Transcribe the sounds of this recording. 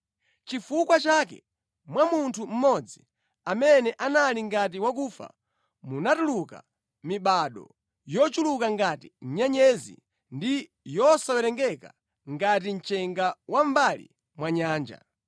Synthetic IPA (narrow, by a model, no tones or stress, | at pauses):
t͡ʃifukwat͡ʃakɛ̰ | mwamuntʰum̩mɔd͡zi | amɛnɛʔanaliŋɡat̬iwakuːfa̰ | munatuluka̰ | miɓaɗɔ̰ | jɔt͡ʃulukaŋɡatiɲaɲɛzḭ | ndi | jɔsawɛɾɛŋɡɛka | ŋɡat̬in̩t͡ʃɛŋɡawam̩balḭ | mwaɲaːnd͡ʒa̰